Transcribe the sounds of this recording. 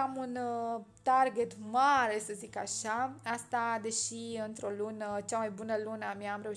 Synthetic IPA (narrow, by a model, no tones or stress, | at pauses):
amunt̪arɡet̪maɾesəzikaʃaast̪ad̪e̞ʃiɨnt̪ɾolunət͡ʃamajbunəlunəmjaːmɾe̞uʃ